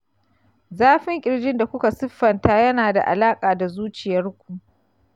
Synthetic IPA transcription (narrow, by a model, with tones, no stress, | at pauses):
zaː˦ɸɪ˦ŋkʲʼɪ˨ɽd͡ʒɪ˦nda˨kʷʊ˦ka˨sʊ˦ɸːɐ˨ntaː˦jɐ˦naː˨da̰˨ʔa̰˨laː˦kʼaː˨da˨zuː˦t͡ʃɪ˨jɐ˦rkʷu˨ʔ